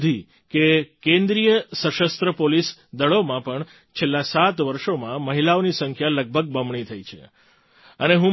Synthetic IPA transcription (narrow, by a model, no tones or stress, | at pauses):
d̪ʱi | kekẽnd̪ɾijəsəʃəst̪ɾəpolisd̪əɭomãpəɳ | t͡ʃʰelːasat̪ʋəɾʃomãməɦilaonisəŋkʰjaləɡ̚bʱəɡ̚bəmɳit̪ʰəit͡ʃʰḛ | əneɦũ